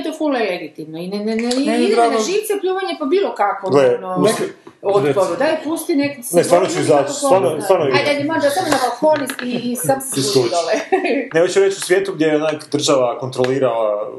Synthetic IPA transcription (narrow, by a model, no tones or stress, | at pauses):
t̪ofuleleɡit̪iʋnoinenneiɡɾaneʒiːʋt̪sepʎuːʋaɲepabiːlˠokakoɡlenonek | ot̪poɾud̪ajpust̪inekisnest̪ʋaːɾnot͡ʃuizasvaɾnost̪aɾnoiaad̪imad̪at̪amnabalfonisk̪iːsadssud̪alenemot͡ʃuɾet͡ʃusʋjet̪uɡdjejeonakd̪ɾr̩ʒaʋakont̪ɾoliːɾala